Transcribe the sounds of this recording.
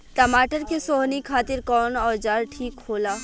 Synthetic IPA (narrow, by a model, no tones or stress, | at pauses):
ʈəmaːʈəɾkesoɦnikʰaːt̪ɪɾkɔːnɔːd͡ʒaːɾʈʰiːkɦoːlaː